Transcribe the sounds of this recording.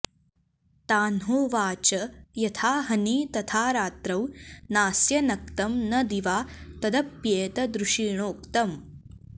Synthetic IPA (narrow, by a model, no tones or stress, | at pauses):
t̪aːnɦoːʋaːt͡ʃɐjɐt̪ʰaːɦɐniːt̪ɐt̪ʰaːɾaːt̪ɾɐwnaːsjɐnɐk̚t̪ɐmnɐd̪iʋaːt̪ɐd̪ɐpjeːt̪ɐd̪ɾuʂiːɳoːkt̪ɐm